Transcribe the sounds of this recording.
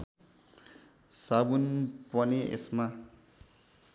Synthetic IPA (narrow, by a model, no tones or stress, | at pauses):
sabunpʌneʔḛsma